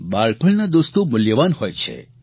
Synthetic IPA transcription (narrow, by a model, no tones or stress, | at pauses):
baɭpʰəɭnad̪ost̪omʊljəʋanhojt͡ʃʰḛ